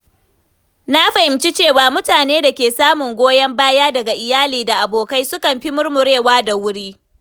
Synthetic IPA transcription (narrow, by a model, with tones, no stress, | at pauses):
na˦ɸa˨hɪ˨mt͡ʃi˦t͡ʃeː˦˨waː˨mʊ˦taː˨neː˦da˨kʲeː˨saː˦mʊ˨ŋɡʷoː˦jɐ˦mbaː˦jaː˦dɐ˨ɡa˨ʔɪ˨jaː˦liː˨da˨ʔa˨boː˨ka˦jsʊ˦kɐ˨mɸi˦mʊ˦rmʊ˨ɽeː˦˨waː˦da˨wʊ˦ɽiː˦